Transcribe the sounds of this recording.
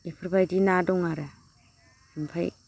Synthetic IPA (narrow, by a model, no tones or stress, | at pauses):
ipʰiɾbajdinadoŋaɾa | impʰa̰j